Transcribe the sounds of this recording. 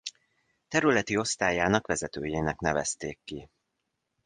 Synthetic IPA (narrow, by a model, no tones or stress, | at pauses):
t̪ɛɾylɛt̪io̞st̪aːjaːnɒkʋɛzɛt̪øːjeːnɛknɛvɛst̪eːkːi